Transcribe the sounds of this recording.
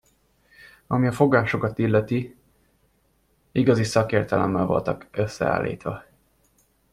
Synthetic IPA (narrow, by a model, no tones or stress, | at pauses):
ɒmiɒfo̞ɡaːʃo̞kɒt̪ilːɛt̪i | iɡɒzisɒkeːrt̪ɛlɛ̰mːɛlvolt̪ɒkøsːɛ̰a̰ːlːḭːt̪ʋɒ